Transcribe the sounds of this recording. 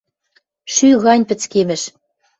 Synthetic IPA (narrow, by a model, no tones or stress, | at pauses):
ʃyɣɑnʲpɘ̆t͡skemɘ̆ʃ